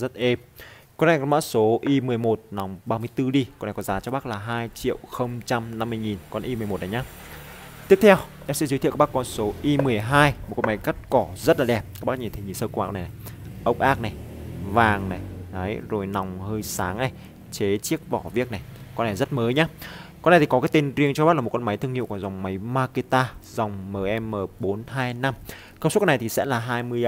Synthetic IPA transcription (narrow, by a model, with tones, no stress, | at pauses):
zə˦˥t̚ʔe˧m | kɔ˧˦na˨˩kɔ˧nma̰ː˧˥so˨˦ʔi˧mɨ˨˩əjmo˨˩t̚na˨˦wŋ͡mɓaː˧mɨ˧əjt̪ɨ˧ɗi˧kɔ˧nʔa˨˩kɔ˨˦zaː˨˦t͡ɕɔ˧ɓaː˦˥k̚laː˨˩ɦaː˧jt͡ɕḭ˧˨əwxə˧wŋ͡mt͡ɕa˧mna˧mːɨ˧əjŋi˨˩nkɔ˧nʔi˧mɨ˨˩əm˨˩t̚ʔa˨˦ɲaː˨˦ | t̪i˦˥əp̚t̪ʰɛ˧wʔaː˧˥sɛ̰˧˥zɨ˨˦j̪t̪ʰḭ˧˨˧ɓa˦˥kɔ˧nso˨˦ʔi˧mɨ˨˩əjɦaː˧jm̚˨˩k̚ːma˨˦jka˦˥t̚kɔ˧˩zə˦˥t̚laː˨˩ɛ˨˩p̚ːɓa˦˥ɲi˨˩t̪ʰə˨˦ɲi˨˩nsəː˧kwaː˧knʔna˨˩jʔə˦˥wk͡p̚ʔaː˦˥k̚na˨˩jvaː˨˩ŋna˨˩jna˨˦jzo˨˩jna˨˩wŋ͡mhəː˧jsaː˨˦ŋʔa˧˩j | t͡ɕe˨˦t͡ɕi˦˥ək̚vɔ˧˩vi˦˥ək̚na˨˩jkɔ˧nːa˨˩jzə˦˥t̚məː˨˦jɲaː˨˦kɔ˧n˨˩t̪i˨kɔ˨˦kaː˨˦jt̪e˧nzi˧əŋt͡ɕɔ˧ɓa˦˥t̚laː˨˩˨kɔ˧nma˨˦jt̪ɨ˧əŋḭ˧˨wkwza˨˩wŋ͡mma˨˦jmaː˧ki˧t̪aː˧za˨˩wŋ͡mməː˨˩ʔɛ˧mːəː˨˩ɓo˨˦nɦaː˧jna˧m | kəː˧so˦˥kːɔ˧n˨˩t̪ʰi˨˩sɛ̰˧˥laː˨˩ɦaː˧jmɨ˧əj